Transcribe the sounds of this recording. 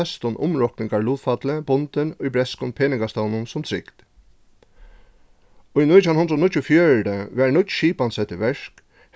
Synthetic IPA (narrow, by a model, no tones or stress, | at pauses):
ɛst̪ʊnʔʊmɹɔknɪŋkaɹluːt̪fat̪ləbʊnt̪ɪnʊjbɹɛskʊnpʰeːnɪŋkast̪ɔwnʊnsʊmt̪ʰɾɪkt̪ | ʊjnut̪ʰawnʊnd̪ɾɔnʊc̪ːʊɔfjœːɻɖəʋɛɹnʊt̪ʃiːpansɛt̪ːɪʋɛʂk | h